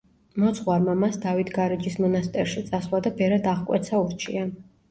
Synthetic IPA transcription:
mɔt̪sʰʼχwaɾmamasd̪avit̪ʰɡaɾɛd͡ʒismɔnast̪ʼɛɾʃit̪sʼaswˠad̪abɛɾad̪aʁkʼwɛ̰t̪sʰauɾt͡ʃʰḭa

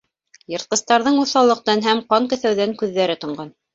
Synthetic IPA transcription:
jɤ̆ɾt̪̚qɤ̆st̪ɑɾðɤɴuθɑlˠɤ̆q̚t̪ɑnɦæmqɑŋkɵ̆θæwðæŋkʉðːæɾɘt̪ŏɴɢɑn

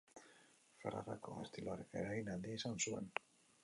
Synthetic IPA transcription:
faɾa̰ra̰ko̞̰ḛst̪iloaɾekeɾaɣinald̪iesansue̞̰n

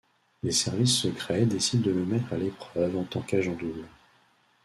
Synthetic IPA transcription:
lesɛʁvisːəkχɛd̪esid̪̚ːələmɛt̪χalepχœvɑ̃t̪ɑ̃kaʒɑ̃d̪ul

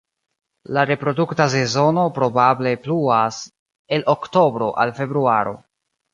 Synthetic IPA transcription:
laɾe̞pɾo̞duktas̬e̞zo̞no̞pɾo̞bable̞pluas | e̞lʔokto̞bɾo̞ʔa̰lfe̞bɾuaɾo̞̰

